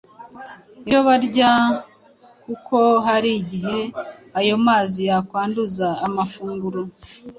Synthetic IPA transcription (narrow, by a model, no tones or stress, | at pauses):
ijoβaɾɟa | kuko̞ɦaɾiɟiɦe̞ajo̞maːzijakwaːnduzaːmafuːŋɡuɾo